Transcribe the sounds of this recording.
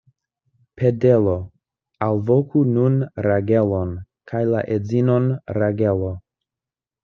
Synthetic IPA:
pʰe̞delo̞ | alvo̞kʰununɾaɡe̞lo̞n | kʰajla̰ʔezino̞nɾaɡe̞lo̞

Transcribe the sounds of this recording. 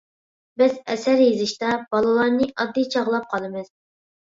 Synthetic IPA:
bɪzɛsæɾjezɪʃt̪ɑbɑlˠɨlˠɑɾnɨʔɑd̪ːijt͡ʃʰɑʁlˠɑp̚qʰɑlˠɨmɨz̥

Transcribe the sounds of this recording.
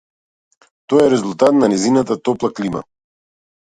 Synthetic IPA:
t̪ɔjɛɾɛzulˠt̪at̪nanɛzinat̪at̪ɔplˠaklima̰

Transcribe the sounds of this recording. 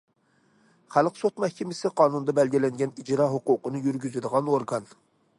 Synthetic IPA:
χælˠqsot̪mɛhkʲʰɪmɪsɪqʰɑːnund̪ɑbɛlɡʲilɛŋɡʲɛnid͡ʒɾɑɦoqʊqənɨjyɾɡʲyzɪd̪əʁɑnoɾɡɑn

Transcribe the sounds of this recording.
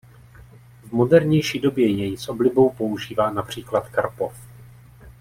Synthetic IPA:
vmo̞dɛɾɲɛjʃiːdo̞bjɛjɛjsʔo̞blɪbo̞wpo̞uʒiːvaːnapr̝̥iːklat̪kaɾpof

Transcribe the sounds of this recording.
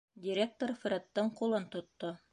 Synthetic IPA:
dʲɪɾʲek̚t̪oɾfɾʲet̪ːɤɴqulˠɤnt̪ŏt̪ːo

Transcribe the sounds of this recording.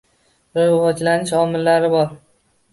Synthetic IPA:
ɾɪwɒd͡ʒlanɪʃɒmɪlːaɾɪbɒɾ

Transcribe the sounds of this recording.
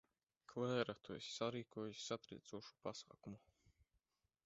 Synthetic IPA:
klɛːɾat̪uesʲsaɾiːkuɔjusʲsat̪ɾḭːt̪suɔʃu̥pasa̰ːkumu

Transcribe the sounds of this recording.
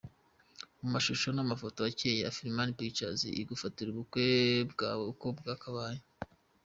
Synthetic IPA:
mumaʃuʃo̞namafo̞tojacejea̰fiɾimanipit͡ʃazḭʔiɡufatiɾuβukwebɡaukobɡaːkaβaːje

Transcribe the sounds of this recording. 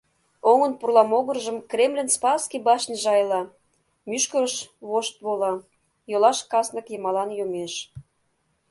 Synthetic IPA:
oŋə̆npurlˠɑmoɣə̆rʒəmkrʲemlʲenspɑskibɑʃnʲəʒɑjlɑ | myʃkəɾəʃβoʃt̪̚βolɑ | jolɑʃkɑsnə̆kjəmɑlɑnjomeʃ

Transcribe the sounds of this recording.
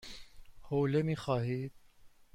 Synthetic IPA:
hoːlemixaːɦiːd̪̚

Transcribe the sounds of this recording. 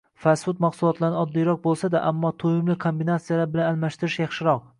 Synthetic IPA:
fasʊt̪maqsʊlˠɒt̪laɾnɪɒd̪ːijɾɒq̚bolˠsad̪aʔa̰mːɒt̪ʰojɪmlɪkʰombinat̪sijalaɾbɪlanalmaʃt̪ɪɾɪʃjɑχʃɪɾɒq̚

